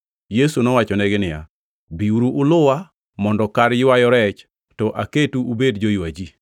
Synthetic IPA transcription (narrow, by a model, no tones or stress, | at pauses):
jesunɔwat͡ʃɔnɛɡɪnɪja̰ | biuɾuʔːlʊwa | mɔndɔkaɾjwajɔɾɛt͡ʃ | tɔʔaketuubedd͡ʒojwad͡ʒi